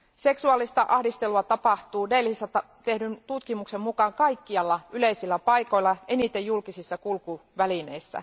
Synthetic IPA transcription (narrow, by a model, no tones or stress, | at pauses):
se̞ksuɑlːˑist̪ɑʔɑhdist̪eluɑt̪ɑpɑht̪uːdelːihisːɑt̪ɑ | t̪ehdynt̪ut̪kimuksemmukɑŋkɑikːiɑlːɑyleisilːæpɑijko̞ilːɑʔenit̪ejjulkisisːɑkulkuʋæline̞isːæ̰